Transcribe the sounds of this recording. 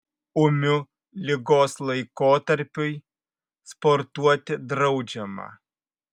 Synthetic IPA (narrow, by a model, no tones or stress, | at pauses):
ʊmʲʊ | lʲɪɡoːslˠɐɪkoːt̪ɐɾʲpʲʊj | spɔɾt̪uɔt̪ʲɪd̪ɾɐʊd͡ʒʲɛmɑ̰ː